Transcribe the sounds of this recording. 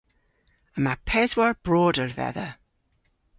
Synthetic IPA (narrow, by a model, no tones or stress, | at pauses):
əmapʰɛzwaɹb̥ɹɔːdəɹðɛ̰ðə